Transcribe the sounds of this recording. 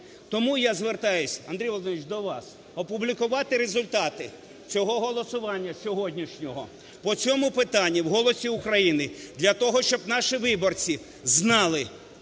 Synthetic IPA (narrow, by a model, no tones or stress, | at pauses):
t̪ɔmujazʋert̪ɑjʊsʲɐ̰nd̪ɾʲijʋɔlˠd̪nʲit͡ʃd̪ɔʋɑs | ɔpʊblʲikʊʋɑt̪ɪɾezʊlʲt̪ɑt̪ɪ | t͡sʲɔɦɔɦɔlˠɔsʊʋɑnʲːɐsʲɔɦɔdʲnʲiʃnʲɔɦɔ̰ | pɔt͡sʲɔmʊpɪt̪ɑnʲːiwɦɔlˠɔsʲiʊkɾɐjinɪd̪lʲɐt̪ɔɦɔʃt͡ʃɔbnɑʃiʋɪbɔrt͡sʲi | znɑlˠɪ